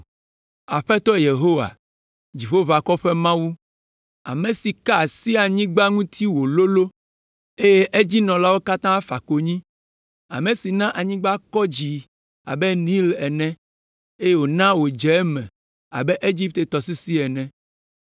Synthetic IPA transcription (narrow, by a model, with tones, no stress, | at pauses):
a˨ɸɛ˦t̪ɔ˦je˨ɦo˦wa̰˨ | d͡ʑi˨ɸo˦va˨kɔ˦ɸɛ˦mã˦wu˦ | a̰˨mẽ˨si˨ka˦˨si˦a˨ɲĩ˦ɡ͡ba˦ŋũ˦t̪ʰi˦wo˨lo˦lo˦ | e˦je˦ʔe˦d͡ʑi˦nɔ̃˨la˦wo˦ka˦t̪ã˦fa̰˨ko˨ɲĩ˦ | a̰˨mẽ˨si˨nã˦ʔa˨ɲĩ˦ɡ͡ba˦kɔ˦d͡ʑi˨ | a̰˨bɛ˦nĩ˦lɛ˨nɛ̃˦ | e˦je˦wo˨nã˦wo˨d͡ʒɛ˨˦mɛ̰̃˨ | a̰˨bɛ˦ʔe˦d͡ʑi˦p̚t̪e˨t̪ɔ˨si˦si˦ɛ˨nɛ̃˨